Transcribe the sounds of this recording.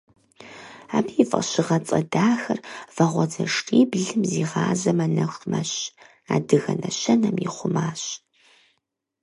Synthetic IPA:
aːbjifʼɐ̰ɕɪʁɐt͡sʼɐdaːxɐrvɐʁʷɔd͡zɐʂtʰiːbɮɨmziːʁɑːzɐmɐnɐxmɐ̰ɕ | a̰ːdɨɣɐnɐɕɐnɐmjɪ̰χʷʊmaːɕ

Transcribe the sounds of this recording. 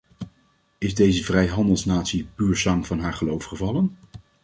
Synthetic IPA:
ɪzdejzəvrɛjɦɑndəlˠsnaːtsipyːɹsɑŋv̥ɑnɦaːɹχəlowfχəvɑlən

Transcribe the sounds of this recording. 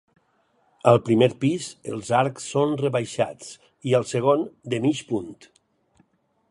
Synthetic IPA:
əlˠpɾimeɾpizəlˠzaɾksːonreβajʃat͡s | iəlˠsəɣ̞ond̪əmit͡ʃpunt̪

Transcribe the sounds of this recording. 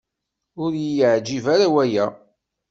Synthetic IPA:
ʊɾjijʕd͡ʒivaɾawæjæ

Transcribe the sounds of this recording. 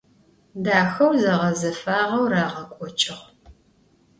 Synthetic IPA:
daːxɐwzɐʁɐzɐfaːʁɐwraːʁɐkʷʼɔt͡ʃʼɪʁ

